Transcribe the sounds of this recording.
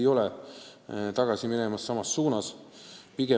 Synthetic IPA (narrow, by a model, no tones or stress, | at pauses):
jo̞le | t̪ɑɡ̥ɑsiminemɑsːɑmɑsːuːnɑspiɡ̥e